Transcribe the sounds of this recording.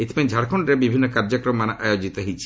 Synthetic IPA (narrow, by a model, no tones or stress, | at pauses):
et̪imed͡ʒʱaɽkʰoɳɖɾebibʱinːɔkaɾd͡ʒɔkɾɔmːanaʔajod͡ʒit̪ɔɦit͡ʃʰi̥